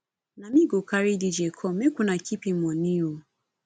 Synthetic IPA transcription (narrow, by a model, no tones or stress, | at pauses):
namiɡokaɾidid͡ʒekʰɔmekunakipim̩ɔniu